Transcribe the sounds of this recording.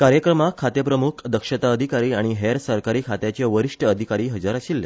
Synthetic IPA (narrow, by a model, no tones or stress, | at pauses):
kaɾjəkɾəmakʰːat̪jəpɾəmukʰd̪əkʂət̪aəd̪ʱikaɾiːaɽ̃iɦeɾsəɾkaɾiːkʰat̪jat͡ɕeʋəɾiʂʈʰəːd̪ʱikaɾiːɦəd͡zaɾəɕilːə